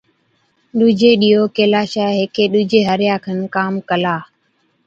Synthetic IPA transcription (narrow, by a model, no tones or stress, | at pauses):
ɗuːd͡ʒeːɗiːɦoːkeːlaːʃaːɦeːkeːɗuːd͡ʒeːɦəɾɪjaːkʰənkaːmkəlaː